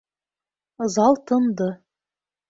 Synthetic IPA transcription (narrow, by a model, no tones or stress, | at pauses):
ɤzɑlˠt̪ɤ̆nd̪ɤ